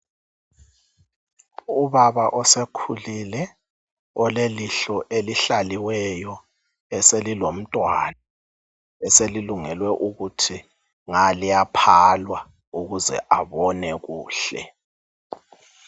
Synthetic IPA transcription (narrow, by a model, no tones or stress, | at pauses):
uβaβaʔɔsekʰulilɛ | ɔleliɬɔʔeliɬaliwɛjɔ | ɛselilom̩tʼwa̰na | ɛseliluŋɛlwɛʔuɣutʰi | ŋalijapʰalwa | uɣuzɛ̰ʔaβɔnɛɣuːɬɛ̰